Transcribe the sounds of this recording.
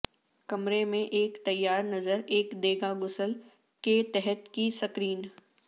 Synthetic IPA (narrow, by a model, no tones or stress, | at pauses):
kɐmɾemẽʔeːkt̪ɐjːaːɾnɐzəɾeːkd̪eːɡaɡʊsəl | ket̪ɛɦət̪kisɐkɾiːn